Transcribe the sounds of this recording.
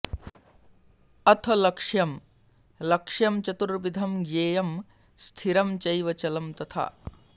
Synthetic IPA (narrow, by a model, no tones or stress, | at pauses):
ɐt̪ʰɐlɐkʂjɐm | lɐkʂjɐmt͡ʃɐt̪uɾʋid̪ʱɐmjeːjɐm | st̪ʰiɾɐmt͡ʃɐjʋɐt͡ʃɐlɐmt̪ɐt̪ʰa̰ː